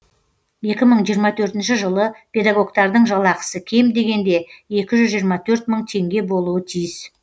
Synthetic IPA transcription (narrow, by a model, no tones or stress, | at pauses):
je̞kʲɪməɴʒijəɾmɑt̪ʰɵɾt̪ɪnʃɪʒəlˠəpʰʲe̞d̪aɡo̞ɡt̪ɑɾd̪əɴʒɑlˠɑqə̥səkʲʰe̞md̪e̞ɡʲe̞nd̪e̞e̞kʲɪʒʏzʒijəɾmɑt̪ʰɵɾt̪məɴt̪ʰe̞ŋɡʲe̞bo̞lˠuət̪ʰijɪs